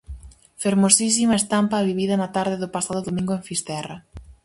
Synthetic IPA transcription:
feɾmosis̬imɐest̪ampaβiβiðɐnat̪aɾðɪðʊpasaðʊðomĩŋɡoeɱfist̪ɛrɐ

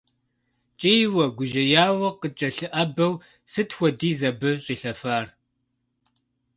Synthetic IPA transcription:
t͡ʃʼejwɐɡʷʊʒɐjaːwɐqət͡ʃʼɐɬɨʔɐbɐw | sɨtxʷɔdiːzɐbɨɕʼiːɬɐfaːr

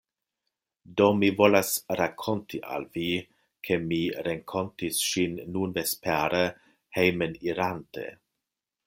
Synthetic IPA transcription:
domivolasɾakʰontʰiʔa̰lvi | kʰemiɾeŋkʰontisʃinːunvespɛɾə | hejməniɾantḛ

